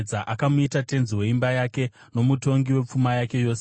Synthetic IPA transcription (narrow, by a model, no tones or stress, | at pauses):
d͡zaʔakamuitate̞nziwe̞imbajake̞ | no̞muto̞ŋɡiwe̞p͡fumajake̞jo̞ːse